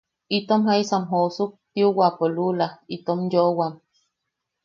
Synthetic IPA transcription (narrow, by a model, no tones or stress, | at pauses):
it̪omɦaisamɦosuk̚t̪iuwapolulait̪omjowam